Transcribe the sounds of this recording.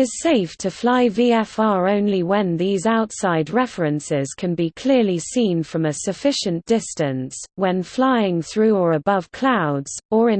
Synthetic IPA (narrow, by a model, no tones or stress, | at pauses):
ɪz̥seɪftʰəflaɪviːɛfɑːɹə̃ʊ̃nliwə̃nðiːzaʊtsaɪdɹɛfɹə̃nsɪz̥kʰə̃nbikʰl̥ɪəlisĩnfɹə̃məsəfɪʃə̃nd̥ɪstə̃nswə̃nflaɪɪ̃ŋθɹʉːəɹəbʌv̥kʰl̥aʊdz̥əɹɪ̃